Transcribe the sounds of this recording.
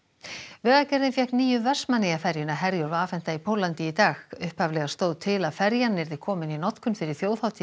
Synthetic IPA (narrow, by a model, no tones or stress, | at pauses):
vɛːɣacɛɾðɪnfjɛhkniːjʏvɛr̥smanɛjafɛɾjɪnaɦɛɾjʏɾvaːfɛn̥t̪aipʰoːwlant̪ɪit̪aːɣʏhphavlɛɣast̪oːwðt̪ʰɪlaðfɛɾjanːɪɾðɪkʰɔːmɪninɔt̪kʏnfɪɾɪɾ̥θjoːwðhawt̪ʰiː